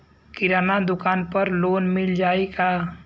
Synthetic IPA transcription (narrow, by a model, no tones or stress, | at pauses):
kɪɾaːnad̪ʊkaːnpəɾloːnmɪld͡ʒaːikaː